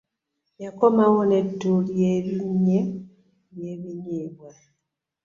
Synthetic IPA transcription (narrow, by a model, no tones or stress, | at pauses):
jakomawonetːuljeβiɲe | jeβiɲeβwe